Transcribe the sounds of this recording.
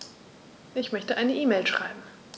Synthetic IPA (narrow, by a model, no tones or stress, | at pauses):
ʔɪçmœçtəʔaɪnəʔiːmeɪlʃʁ̥aɪbm̩